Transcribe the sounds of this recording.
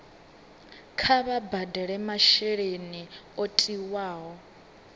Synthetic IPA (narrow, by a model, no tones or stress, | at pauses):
kʰaβabadɛɺɛmaʃɛɺeniotʼiwaːɦɔ